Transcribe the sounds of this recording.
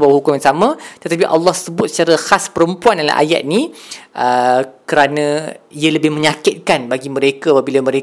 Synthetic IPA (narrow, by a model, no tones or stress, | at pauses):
bawɦukʊmjãnsamãt̪ət̪ap̬iʔɑlːɑhsəbʊt̪̚sə̥t͡ʃaɾaxaspəɾəmpuandala̰ʔa̰ja̰t̪̚nĩʔəkəɾanãiələbɪhmə̃ɲakɪt̪̚kanbaɡimə̃ɾekaapabilamə̃ɾe